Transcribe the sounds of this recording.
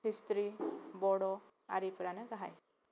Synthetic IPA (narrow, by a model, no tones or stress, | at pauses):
ist̪ɾibɔɽɔ | a̰ɾipɾanəɡaɦa̰j